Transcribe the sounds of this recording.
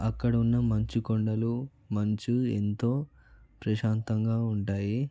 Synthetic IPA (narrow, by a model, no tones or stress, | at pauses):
ɐkːɐɽɐunːɐmɐɲt͡ʃukoɳɖɐlu | mɐɲt͡ʃuḛnt̪o̞ː | pɾɐʃaːnt̪ɐŋɡaːuɳʈaːji